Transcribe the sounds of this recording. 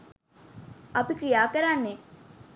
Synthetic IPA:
ɐpikɾijaːkəɾanːe

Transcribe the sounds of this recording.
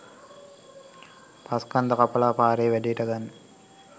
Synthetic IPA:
paskand̪əkapəlaːpaːɾeːʋæɖejʈəɡanː

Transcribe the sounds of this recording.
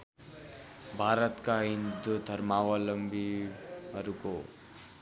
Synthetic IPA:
bʱaːɾət̪kaɦind̪ud̪ʱəɾmaːʋaləmbʱiɐɾuko

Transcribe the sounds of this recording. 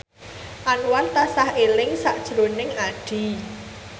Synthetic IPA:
ʔanwart̪asahʔelɪŋsaʔd̥ʒ̥ɾonɪŋaɖ̥i̤

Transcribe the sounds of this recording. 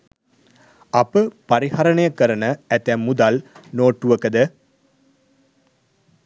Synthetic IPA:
ɐpəpaɾihaɾəɳəjəkəɾənəæt̪æmːud̪alnoːʈːuʋəkəd̪ə

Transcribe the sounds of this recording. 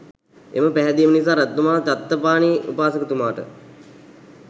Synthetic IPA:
ḛməpæɦɛd̪iːmənis̬aːɾæt̪numaːnət̪at̪ːəpaːniṵpaːsəkət̪umaːʈə̰

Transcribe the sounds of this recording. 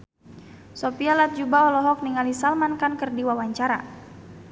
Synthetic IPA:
sopialat̪̚d͡ʒubaɔlɔɦɔk̚niŋalisalmankankərdiwawaɲt͡ʃaɾa̰

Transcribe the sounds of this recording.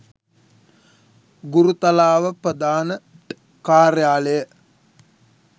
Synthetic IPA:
ɡuɾut̪alaːʋəprəd̪aːnə | kaːɾjaːləjə

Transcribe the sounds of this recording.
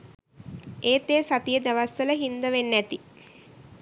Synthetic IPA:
eːt̪eːsat̪ijəd̪aʋasːələɦind̪əʋenːæt̪i

